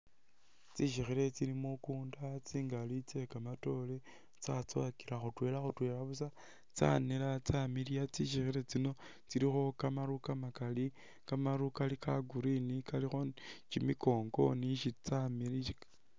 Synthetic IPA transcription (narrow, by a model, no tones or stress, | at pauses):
t͡siʃ̬ixiɾe̞t͡silimukuːndat͡siːŋɡalit͡se̞kamato̞le | t͡sat͡so̰kiɾaxutwe̞ːlaxutwe̞ːɾaβus̬a | t͡sa̰nelat͡samilijat͡siʃixiɾe̞t͡sino̞ | t͡siɾixo̞kamaɾukamakali | kamaɾukalikaɡuɾinikalixo̞t͡ʃimiko̞ːŋɡo̞̰niʃit͡samilii